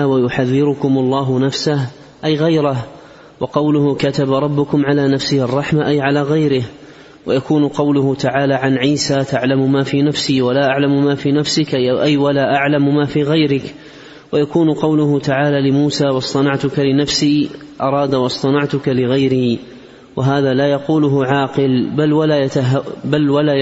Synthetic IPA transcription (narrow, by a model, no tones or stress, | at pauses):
wajʊħaðːɪɾʊkʊmɑlˤːɑːɦʊnafsah | ʔajɣajɾah | wɑqɑwlʊhʊkat̪abaɾˤɑbːʊkʊmʕalaːnafsɪːʔɑrˤːɑħmaʔajʕalaːɣajɾɪh | wajakuːnʊqɑwlʊhʊt̪aʕaːlaːʕanʕiːsaːt̪aʕlamʊmaːfiːnafsiːwalaːʔaʕlammaːfiːnafsɪkʔajwalaːʔaʕlammaːfiːɣajɾɪk | wajakuːnʊqɑwlʊɦʊt̪aʕaːlaːlɪmuːsaːwɑsˤt̪ˤɑnɑʕt̪ʊkalɪnafsiː | ʔɑɾˤɑːd̪awɑsˤt̪ˤɑnɑʕt̪ʊkalɪɣajɾiː | waɦaːðaːlaːjɑquːlʊɦʊʕɑːqɨlbalwalaːjat̪aɦbalwalaː